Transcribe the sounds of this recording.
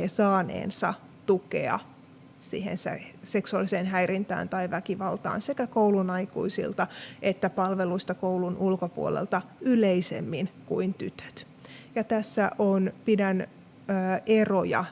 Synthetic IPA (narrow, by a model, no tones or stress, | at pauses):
esɑːnḛːnsɑ̰ | t̪ukḛɑ̰ | sḭhḛnsæ̰seksuɑlːiseːnɦæjɾint̪æ̰ːnt̪ɑiʋækiʋɑlt̪ɑ̰ːnsekækowlunɑikṵisḭlt̪ɑʔet̪ːæpɑlʋeluist̪ɑkoulunʔulkopuolḛlt̪ɑyleisḛmːinkuint̪yt̪ø̥t̪ | jɑt̪æsːæʔonpidænː | erojɑ̰